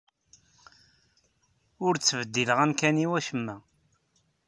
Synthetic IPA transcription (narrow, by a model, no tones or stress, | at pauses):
ʊɾt͡sːəvəd̪ːiləʁænkæniwæʃəmːæ